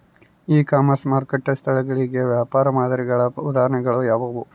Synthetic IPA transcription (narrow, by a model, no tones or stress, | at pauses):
iːkaːmɐɾsmaːɾkeʈːɐst̪ʰɐɭɛɡɐɭiɡeʋjaːpaːɾɐmaːd̪ɐɾiɡɐɭɐud̪aːɾɐɳɛɡɐɭujaːʋɐʋu